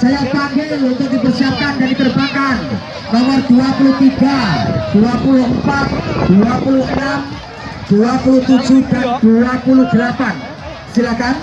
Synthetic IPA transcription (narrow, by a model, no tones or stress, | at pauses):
sajapaŋɡɪŋunt̪ʊk̚dipərsiap̚kandandit̪ərbakar | nomɔrduapuluht̪iɡad̥uapuluəmpat̪̚d̪̥uapuluɦənam | d̪̥uapuluht̪ud͡ʒudand̥uapulʊhd̪əlapan | silahkan